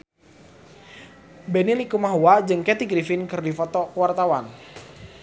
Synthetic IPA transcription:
benilikumaɦuad͡ʒɨŋkɛt̪iɡɾifɪnkɨrdifɔt̪ɔkwart̪awan

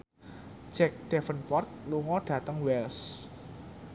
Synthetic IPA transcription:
d͡ʒ̥ɛk̚d̥ɛfənpɔrt̪̚luŋɔɖ̥ä̤t̪əŋwɛls

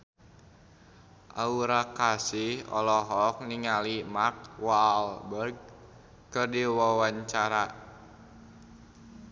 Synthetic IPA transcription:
ʔauɾakasihɔ̰lɔɦɔk̚niŋalimarkwalbərɡ̚ | kɨrdiwawaɲt͡ʃaɾa

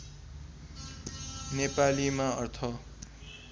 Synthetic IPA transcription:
nepalimaʌrt̪ʰʌ

